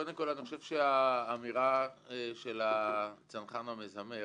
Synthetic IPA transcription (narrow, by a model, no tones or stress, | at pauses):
od̪emkolaniχo̞ʃevʃeaːmiʁaʃe̞lat͡sanχanamezame